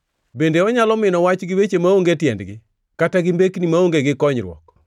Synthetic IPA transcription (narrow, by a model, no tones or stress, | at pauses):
bendeɔɲalɔmɪnɔwat͡ʃɡɪwet͡ʃemaoŋɡetjɛndɡɪ | kataɡɪmbeknimaoŋɡeɡɪkɔɲɾwɔ̰k